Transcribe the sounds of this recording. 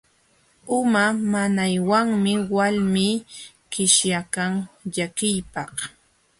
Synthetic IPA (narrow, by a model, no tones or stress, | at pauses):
ʊmamanajwaŋmɪwalmiː | kɪʃjakaŋʎakɪjpɑh